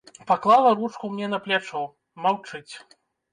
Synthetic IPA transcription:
paklˠalˠɐɾut͡ʂkumnʲɛnɐplʲat͡ʂɔ | mawt͡ʂɨt͡sʲ

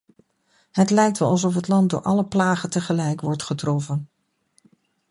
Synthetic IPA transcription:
ɦətlɛjk̚tʋɛlˠɑlˠsɔfɦətlɑnt̚dʊ̰ːɹʔɑləplaːχəntəχəlɛjkʋɔɹtχətrɔfən

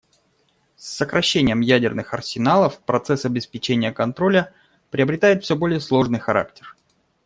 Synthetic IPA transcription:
sːəkɾɐɕːenʲɪjəmjædʲɪrnɨxɐrsʲɪnalˠəfpɾɐt̪sɛsɐbʲɪspʲɪt͡ɕenʲɪjəkɐnt̪ɾo̞lʲə | pɾʲɪəbɾʲɪt̪ajɪt̪fsʲobo̞lʲɪjəslˠo̞ʐnɨjxɐɾa̰ktʲɪ̥r

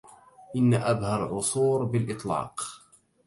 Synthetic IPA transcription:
ʔɪnːaʔabhaɾˤʕʊsˤuːɾbɪlʔɪt̪ˤlɑ̰ːq

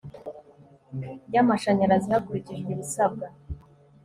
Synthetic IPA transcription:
jamaʃaɲaɾazihakuɾiciʒɡweβisab̚ɡa

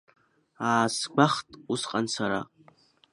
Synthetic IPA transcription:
aːsɡʷaχtʼusqʼansʰaɾa̰

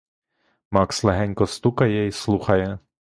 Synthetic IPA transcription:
mɑkslˠeɦɛnʲkɔst̪ukɐjɛislˠuxɐjɛ

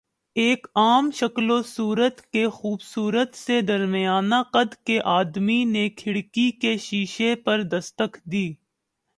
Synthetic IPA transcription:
eːkaːmʃɐklosuːɾət̪kexuːbsuːɾət̪sed̪ɐɾmɪjaːnaqɐd̪keʔaːd̪minekʰɪɽkikeʃiːʃepɐɾd̪ɐst̪əkd̪iː

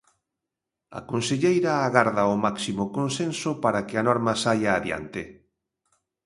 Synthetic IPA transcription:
ɐ̰konseʎejɾaːɣaɾðaʊmaksimokonsensʊpaɾakɪanɔɾmɐsajaːðja̰nt̪ɪ

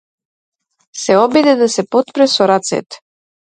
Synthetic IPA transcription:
sɛɔbid̪ɛd̪asɛpɔt̪pɾɛsɔɾat̪sɛ̰t̪

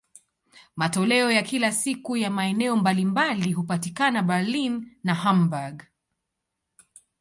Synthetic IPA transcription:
matɔlɛɔjakilasikujamaɛnɛɔmbalimbaliɦupatikanabalinːahambaɡ

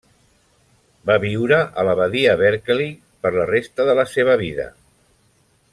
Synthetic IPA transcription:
baβiwɾəʔələβəðiəβɛɾkli | pəɾlərest̪əðələseβ̞əβiðə̰

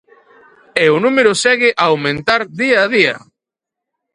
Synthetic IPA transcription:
eʊnumeɾʊsɛɣɪʔaːwmẽnt̪aɾðiaːðiɐ

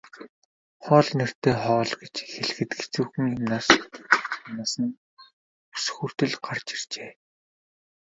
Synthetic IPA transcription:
χɔːɮner̥t̪eːχɔːɮɡet͡ɕxeɮɘ̆xɘ̆t̪ɡe̥t͡suːxɘ̆ŋjʊmnaːs | amnaːsə̆n | u̥sxuːr̥t̪ɘ̆ɮɢart͡ɕɪr̥t͡ɕeː

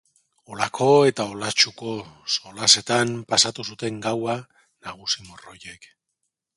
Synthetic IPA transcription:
o̞lakʰo̞e̞t̪ao̞lat͡ʃuko̞so̞lase̞t̪ampasat̪usut̪e̞ŋɡawa | naɣ̞usimoro̞je̞k

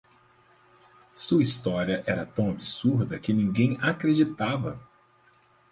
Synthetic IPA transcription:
suɐist̪ɔɾiɐʔɛɾɐt̪ɐ̃w̃abisuɾd̪ɐkɪnĩŋɡẽj̃akɾed͡ʒit̪avɐ̰

